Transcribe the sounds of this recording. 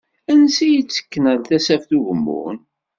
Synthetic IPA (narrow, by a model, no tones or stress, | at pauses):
ænsijət͡sːə̥kːənəlθæsæfθuʝəmːʊ̰n